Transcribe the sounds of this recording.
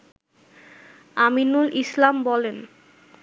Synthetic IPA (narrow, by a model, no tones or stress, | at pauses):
aminulʔislambɔlen